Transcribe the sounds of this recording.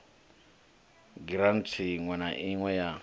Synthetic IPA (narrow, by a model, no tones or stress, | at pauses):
ɡiɾan̩tʰiŋwɛnaʔɪŋwɛja